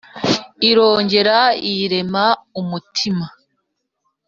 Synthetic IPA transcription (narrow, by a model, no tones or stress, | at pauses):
iɾo̞ːɲɟe̞ɾaiɾe̞maumutʰima